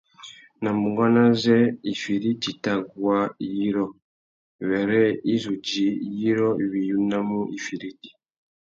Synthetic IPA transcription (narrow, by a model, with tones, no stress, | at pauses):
na˨mu˨ŋɡa˦na˦zɛ˦i˨fi˨ɾi˦ti˨ta˨ɡwa˦ji˦ɾo˦ | βe˨ɾɛ˦i˦zu˨ɟi˨ji˦ɾo˦i˨βi˨ju˦na˦mu˦ʔi˨fi˨ɾi˦ti̥˨